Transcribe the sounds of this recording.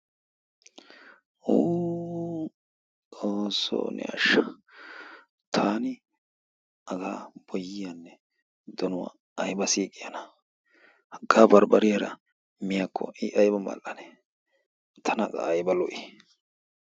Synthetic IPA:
uː | oːso̰ːnɛ̰ɐ̰ʃːɐ | t̪ʰaːnɪ | ɐɡaːb̥ɔjːɪjanːɛ | d̪ɔnʊwa̰ | ɐjbɐsiːkʼːɪjɐnɐ | hɐɡːaːbɐɾbɐɾɪjaɾɐ̰ | mɪjakʰːɔ̰ɪʔɐjbɐmɐ̰lʔɐnɛ | t̪ʰɐnɐkʼɐ̰ɐjbɐlɔʔɪ

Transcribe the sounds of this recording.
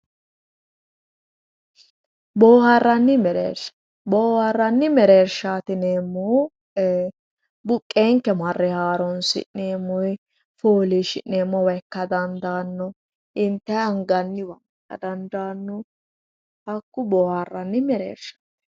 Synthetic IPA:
boːhɐrːɐnːɪmɛɾḛːɾʃɐ̥ | boːhɐrːɐnːɪmɛɾeːɾʃaːt̪ɪneːmːɔ | bʊkʼːeːŋkːɛmɐrːɛhaːɾɔnsɪ̰ʔneːmːɔj | foːliʃɪʔneːmːɔwɛkːɐd̪ɐnd̪aːnːɔ | ɪnt̪ːɛɐŋɡɐnːɪwɐŋkːɐ̰d̪ɐnd̪aːnːɔ | hɐkːʊboːhɐrːɐnːɪmɛɾḛːɾʃḁːt̪ɛ̥

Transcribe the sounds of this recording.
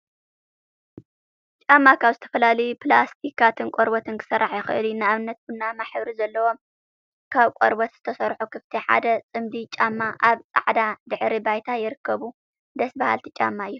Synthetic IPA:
t͡ʃʼamːakʰaβzɨt̪ʰɐ̥fɐlalɐjuplast̪ʰikat̪ʰɨnkʷʼoɾbɐt̪ʰɨnkʰɨ̥sɐrːaħjɪxɨʔɨlunɨaβɨnːɐt̪̚bɨnːamaħβɾizɐlːɐwo̞m | kʰaβkʼoɾbɐt̪z̥ɨt̪ʰɐsɐɾħukʰɨft̪ʰiħa̰d̪ɐt͡sʼɨmd̪it͡ʃʼamːaʔaβt͡sʼa̰ʕd̪ad̪ɨħɾibajt̪ʰajɪɾɨkʰːɐβu | d̪ɐsbaha̰lt̪ʰit͡ʃʼa̰mːaɨjːu

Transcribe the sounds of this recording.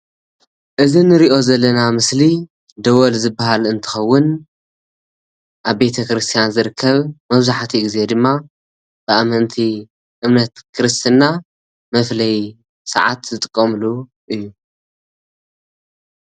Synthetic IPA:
ʔɨzinɨɾiʔo̞zɐlːɐnamɨsli | d̪ɐwolzɨbaɦalɨnt̪ʰɨ̥xɐwːʊn | ʔaβbe̞t̪ʰɐkɾɨst̪ʰijanzɨɾɨkʰːɐβmɐβzaħt̪ʰiɡize̞d̪ɨmːa | b̥ɨamɐnt̪ʰi | ʔɨmnɐt̪kʰɨɾɨst̪ʰɨnːa | mɐflɐj | sɐ̰ʕa̰t̪zɨt̪ʼɨkʼːɐmlu | ʔɨjːu

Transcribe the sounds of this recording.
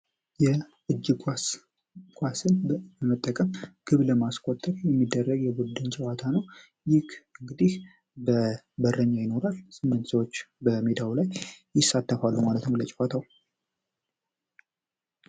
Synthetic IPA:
jɛʔɨd͡ʒːɨkʷʼa | kʷʼasɨnbəmət̪ʼːəkʼəmɡ̥ɨβləmaskʼot̪ʼːəɾjɛmːid̪ːərːəɡjɛbud̪ɨnt͡ʃʼɛwat̪ʰanəw | jɪkɨŋɡɨd̪ih | bə | bərːəɲːajɪno̞ɾalsɨmːɨnt̪səwot͡ʃːbəmed̪awlajjɪsːat̪ːəfalːumalət̪nlət͡ʃʼwat̪ʰaw

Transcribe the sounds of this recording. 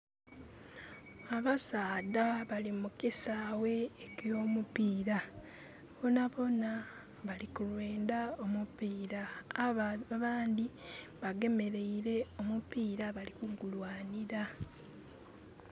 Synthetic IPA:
aβasaːdaβalimukisawe̞ːkjo̞ːmupiːɾa | βo̞naβo̞na | βalikulwe̞ːndao̞mupiːɾa | βaːnd̪i | βaɡe̞me̞ɾe̞iɾe̞o̞mupiːɾaβalikuŋɡulwaːniɾa

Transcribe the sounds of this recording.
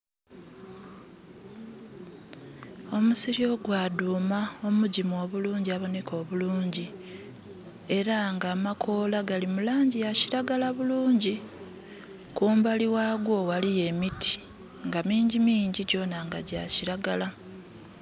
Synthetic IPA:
o̞musiɾio̞ɡwaːduːmao̞muɟimuo̞βuluːɲɟiaβo̞ne̞ko̞ːβuluːɲɟi | e̞ɾaŋɡaːmakʰo̞ːlaɡalimulaːɲɟijaciɾaɡalaβuluːɲɟi | kuːmbaliwaɡwo̞walije̞mitʰi̥ | ŋɡamiːɲɟimiːɲɟiɟo̞ːnaŋɡa̰ɟaciɾaɡala

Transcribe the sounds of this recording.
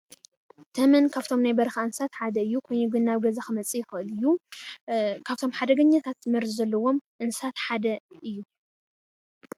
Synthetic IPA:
t̪ʰɐmɐnkʰaβt̪ʰo̞mnajbɐɾɐxaɨnsat̪ħad̪ɐɨjːukʰojɲuɡɨnːaβɡɐzaxɨmɐt͡sʼijɪxɨʔɨlɨjːu | kʰaβt̪ʰo̞mħad̪ɐɡɐɲːat̪ʰat̪mɨɾzzɐlːɐwo̞mʔɨnsat̪ħad̪ɐʔɨjːu

